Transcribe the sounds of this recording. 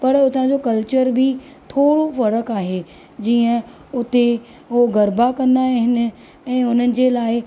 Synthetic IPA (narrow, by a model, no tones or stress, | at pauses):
pɐɾʊt̪ãd͡ʑokɐlt͡ɕəɾbɪ | t̪ʰoːɽofɐɾəkaːɦe | d͡ʑiːə̃ | ʊt̪e | ɦoɡɐɾbakɐ̃nd̪aːɦɪnɪ̆ | ɛ̃ːʊn̤ənɪ̆d͡ʑeːlaːɪ